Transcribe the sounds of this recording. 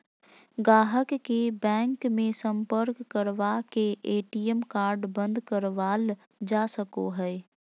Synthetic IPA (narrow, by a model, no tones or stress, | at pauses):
ɡaːɦəkːebɛ̃ːŋkmẽsə̃mpəɾkːəɾʋakeʔeːʈiəmkaːɾɖbə̃nd̪kəɾʋaːl | d͡ʒaːsəkoɦɛː